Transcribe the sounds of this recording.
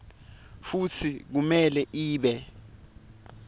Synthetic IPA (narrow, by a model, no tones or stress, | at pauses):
fut͡sʰik̬umɛlɛʔiːɓɛ